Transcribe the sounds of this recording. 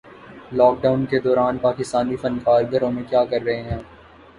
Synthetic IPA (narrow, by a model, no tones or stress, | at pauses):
lɔːk̚ɖaːʊnked̪ɔːɾaːnpaːkɪst̪aːnifɐ̃nkaːɾɡʱɐɾõmẽkjaːkɐɾːɐɦeɦɛ̃ː